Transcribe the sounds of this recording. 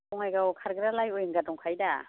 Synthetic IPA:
ɔŋajɡakʰaɾɡɯɾalajojŋɡadɔŋkʰajda

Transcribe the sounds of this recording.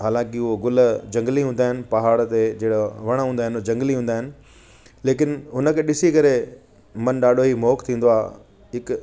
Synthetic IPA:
ɦaːlãːkiʊɦoɡʊld͡ʑɐ̃ŋɡlĩɦũːn̆d̪aːɦɪnɪ̆pɐɦaːɽt̪ed͡ʑeːɽoʋɐɽ̃ɦũːnd̪aːɦɪnd͡ʑɐ̃ŋɡliɦũːnd̪aːɦɪnɪ̆ | leːk̬ɪnɦʊnəkʰẽɗɪsikɐɾe | mɐnɗaːɗʱoɦimɔːkt̪ʰĩːn̆d̪oaː | ɦɪk

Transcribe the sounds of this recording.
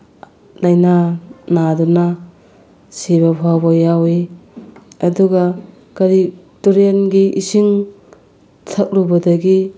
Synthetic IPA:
lajnanaduna | siβapʰawbojawi | ɐduɡa | kɐɾi | toɾienɡiʔisiŋ | tʰɐk̚ɾubɐdɐɡi

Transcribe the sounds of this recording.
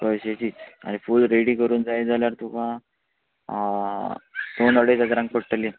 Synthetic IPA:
kojɕet͡ɕiːt͡sa̰nifuːlɾeɽiːkəɾuːnd͡zajd͡zaljaɾt̪ukã | d̪onəɽet̪ad͡zɾãŋɡ̚pəɽʈəle

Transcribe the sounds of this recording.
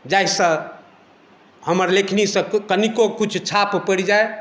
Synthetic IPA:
d͡ʒajsə̃ | həməɾlekʰnisə̃kənikokut͡ʃʰt͡ʃʰappəɽid͡ʒae

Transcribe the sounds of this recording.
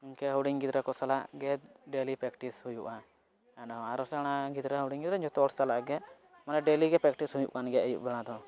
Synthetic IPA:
inkɛɦowɽiŋɡid̪ɾɛkɔsalaʔɡɛɖelipɾɛkʈishujuʔa | ɛɖɔaɾɔsɛɽ̃aɡid̪ɾɛɦəwɽiŋɡid̪ɾɛɲd͡ʒɔt̪ɔɽsalaʔɡɛ | manɛɖeliɡɛpɾɛk̚ʈishujṵʔkanɡɛəjṵʔbɛɽ̃ãd̪ɔ

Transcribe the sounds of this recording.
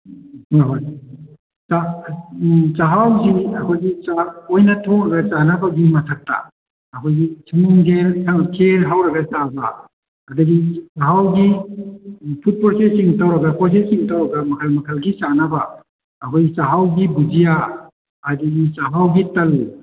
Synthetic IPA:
ɦoj | t͡ʃa | t͡ʃaɦawziɐkʰojɡit͡ʃaojnɐtʰoŋɾɐɡɐt͡ʃanɐbɐɡimɐtʰɐk̚ta̰ | ɐkʰojɡisʰɐmuŋɡelsɐkʰeɾɦawɾɐɡɐt͡ʃabɐː | dɐɡisaɦawɡi | pʰut̚pɔɾsesiŋtɐwɾɐɡɐpos̬esiŋtɐwɾɐɡɐmɐkʰɐlmɐkʰɐlɡit͡ʃanɐbɐː | kʰojɡit͡ʃaɦawɡibud͡ʒijaː | dɐɡit͡ʃaɦawɡitɐl

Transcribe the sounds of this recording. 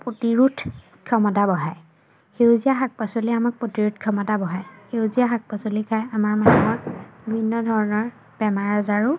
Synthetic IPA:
potiɹutʰ | kʰɔmɔtabɔɦaj | xewzijaɦak̚pasoliamak̚potiɹutkʰɔmɔtabɔɦajxeʊzijaɦak̚pasolikʰajamaɹmanumɔɹibʱinːɔdʱɔɹɔnɔɹ | b̥ɛmaɹɔzaɹʊ

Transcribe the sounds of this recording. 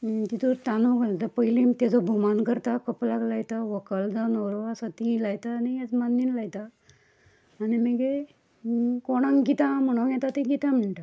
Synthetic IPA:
t̪it̪uɾt̪anuɡalt̪apəjlimt̪ad͡zɔbʱumankəɾt̪akəplaɡlajt̪aʋəkəld͡zanɔwɾʋasat̪ĩlajt̪aːnijɛt͡smanːinlajt̪a | niməɡe | koɽ̃ãŋɡit̪ãm̤əɽ̃ojɛt̪at̪eɡit̪ãm̤əɳʈa

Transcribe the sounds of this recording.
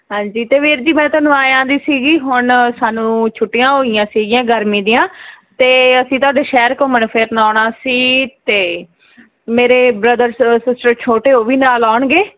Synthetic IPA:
ɦãːɲd͡ʒiːt̪eːʋʰeːɾd͡ʒiːmɛ̃ːt̪ãːnũːaːjãːnd̪iːsiːɡiːɦʊɳsaːnũːt͡ʃʰʊʈːɪjãːɦoːɪjãːsiːɡɪjãːɡəɾmĩːd̪ɪjãːt̪eːəsĩːt̪ʊaːd̪eːʃɛːɾkõːmənpʰeːɾnaːɽaːsiːt̪eː | meːɾeːbɾəd̪əɾsɪsʈəɾt͡ʃʰoːʈeːoːʋiːnaːlaːɳɡeː

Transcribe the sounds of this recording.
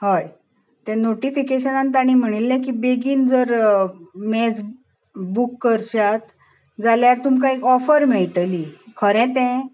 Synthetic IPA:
ɦaj | t̪ɛ̃noʈifikeɕənãnt̪aɽ̃iːm̤əɽ̃ilːɛ̃kibeɡiːnd͡zəɾ | mɛ̃d͡z | bukːəɾt͡ɕat̪ | d͡zaljaɾt̪umkaikɔfəɾmeɭʈlikʰəɾɛ̃t̪ɛ̃

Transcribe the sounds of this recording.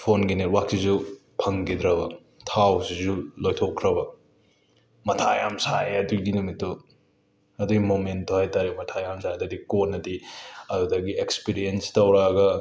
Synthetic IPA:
pʰonɡineɾwak̚sizu | pʰɐŋɡid̪ɾɐbɐ | tʰawsizulojtʰokʰːɾɐbɐ | mɐtʰajamsajeɐduɡinumito | ɐduɡimomentʰːohajtaɾimɐtʰajamsajdadikonːɐdiɐdudaɡiekspiɾienstɐwɾaɡɐ

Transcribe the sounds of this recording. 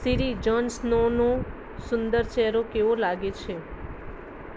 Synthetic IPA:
siɾid͡ʒɔnsnono | sʊnd̪əɾt͡ʃɛɾokeʋolaɡet͡ʃʰe

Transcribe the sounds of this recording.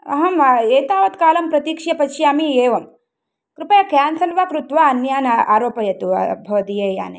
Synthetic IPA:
ɐ̰ɦɐmeːt̪aːʋɐt̪kaːlɐmpɾɐt̪iːkʂjɐpɐʃjaːmieːʋɐm | kɾupɐjɐkjaːnsɐlʋaːkɾut̪ʋaːɐnjaːna̰ːɾoːpɐjɐt̪uɐ̰bʱɐʋɐd̪ijeːja̰ːne

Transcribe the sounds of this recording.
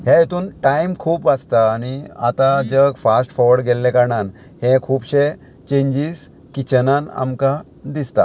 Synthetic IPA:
hẽjet̪uːnʈajmkʰuːpʋad͡zt̪aːnia̰t̪ad͡ʑəɡfasʈfɔʋəɽɡɛlːɛ̃kaɾɳan | hɛ̃kʰuːpɕe | t͡ɕẽɲd͡ʑiz | kit͡ɕənãna̰mka | d̪ist̪a̰

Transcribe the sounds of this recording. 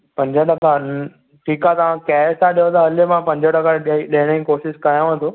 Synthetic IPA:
pɐ̃ɲd͡ʑʱəɖɐkʰa | ʈʰiːkãt̪ɐʋãkɛːst̪ʰaɗijot̪ɐːləmãpɐ̃ɲd͡ʑʱəɖɐkʰaɗɗeɦɪɽ̃ĩkoːʃɪskajãʋə̃t̪ʰo

